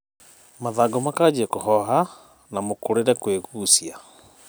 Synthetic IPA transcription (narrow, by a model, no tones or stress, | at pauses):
maðaɡɔmakad͡ʑiɛkoɦɔɦa | namokoɾeɾɛkweɣuːsia